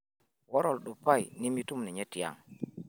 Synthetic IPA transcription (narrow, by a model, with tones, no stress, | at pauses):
wɔ˦ɾɔ˨lɗu˨pa˦˨jni˦mi˦tu˦mni˨ɲe˦ti˨a̰˨ŋ